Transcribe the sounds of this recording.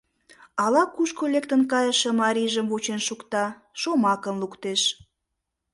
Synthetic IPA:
ɑlɑkuʃkolek̚t̪ənkɑjəʃə̆mɑɾiʒəmvot͡ɕenʃukt̪ɑ | ʃomɑkə̆nlukt̪eʃ

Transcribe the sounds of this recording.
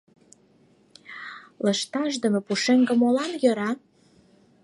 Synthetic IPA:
ləʃt̪ɑʃd̪ə̆mepuʃeŋɡə̆molɑnjøɾɑ

